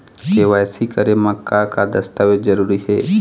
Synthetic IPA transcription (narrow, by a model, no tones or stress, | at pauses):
keʋaːjsikəɾemɐkːakad̪ɐst̪aʋezəɾuːɾiɦɛː